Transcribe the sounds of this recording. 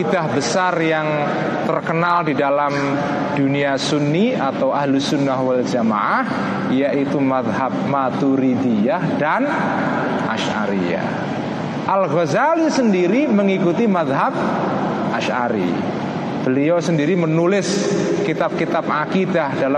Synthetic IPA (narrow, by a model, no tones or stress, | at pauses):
idahbəsarjaŋ | t̪ərkənaldidalam | d̥uniasunːiat̪awaɦlusʊnːahwald͡ʒama̰ʔah | ijaʔit̪umaðɦap̚mat̪uɾid̪ijahdan | ʔa̰ʃa̰ɾḭja̰ | ʔalɣozalisəndiɾiməŋikut̪imaðɦap̚ | ʔaʃa̰ɾḭ | b̥əliawsəndiɾimənulɪskit̪ap̚kit̪ap̚ʔakidahdala